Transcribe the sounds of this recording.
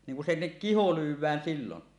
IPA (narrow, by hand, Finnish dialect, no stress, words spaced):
niŋ ku sinːek kiho lywˑæːn siːlon